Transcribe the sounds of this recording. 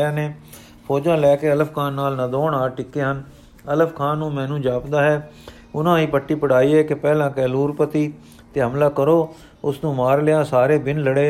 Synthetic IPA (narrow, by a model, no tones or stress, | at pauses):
aːneː | pʰɔːd͡ʒãːlɛːkeːələpkʰaːnːaːlnəd̪oːɳaːʈɪkːeːɦən | ələfʰkʰaːnːũːmɛ̃ːnũːd͡ʒaːpd̪aːɦɛː | ʊnãːiːpəʈːiːpəɽaːiːɦɛːkɪpɛːlãːkɛːluːɾpət̪iː | t̪eːɦəmlaːkəɾoː | ʊsnũːmaːɾlɪjãːsaːɾeːbɪnləɽeː